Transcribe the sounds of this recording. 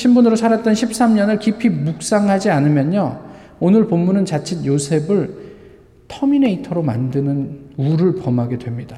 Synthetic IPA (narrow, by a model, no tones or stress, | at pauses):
ɕʰimbunɯɾosʰaɾat̚t͈ʌnɕʰip̚s͈amɲʌnɯɭkipʰimuk̚s͈aŋɦad͡ʑianɯmjʌɲːa | onɯɭpomːunɯnt͡ɕat͡ɕʰidjosʰe̞bɯɭ | tʰʌmine̞itʰʌɾoma̰ndɯnɯnuɾɯɭpʌmɦaɡe̞dwe̞mɲida